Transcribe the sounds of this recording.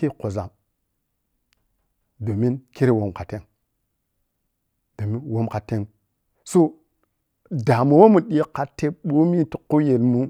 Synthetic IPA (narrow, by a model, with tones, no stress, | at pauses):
e˦ko˨za˨m | do˨mi˦nke˦ɾe˦wo˨mka˨te˦ŋ | do˨mi˦nwo˦mka˨te˦ŋ | so˦ | da˨mo˨wo˦mu˨ɗi˦ka˨tːe˦ɓo˦mi˦ti˨ko˦je˨lmu˦